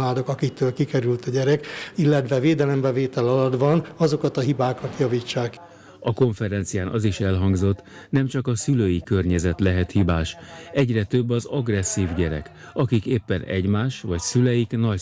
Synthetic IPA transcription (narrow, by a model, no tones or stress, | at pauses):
aːd̪okɒkik̚t̪øːlkikɛɾylt̪ɒɟɛɾɛkilːɛt̪ʋɛveːd̪ɛlɛmbɛveːt̪ɛlɒlɒd̪vɒnɒzo̞kɒt̪ɒɦibaːkɒt̪jɒviːt͡ʃːaːk | ɒko̞ɱfɛɾɛnt̪sijaːnʔɒ̰ziʃɛlɦɒŋɡzo̞t̪ː | nɛmt͡ʃɒkɒsyløːjikørɲɛzɛt̪lɛɦɛt̪hibaːʃɛɟrɛt̪øbːɒzɒɡrɛsːiːvɟɛɾɛ̰k | ɒkikeːpːɛnɛ̰ɟmaːʃʋɒcsylɛjiknɒ